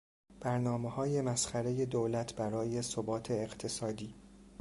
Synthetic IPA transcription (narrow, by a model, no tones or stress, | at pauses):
b̥æɾnɒːmehɒːje̞mæsχæɾe̞je̞d̪oːlæt̪ʰb̥æɾɒːje̞sobɒːt̪ʰeːɢt̪ʰe̞sɒːd̪iː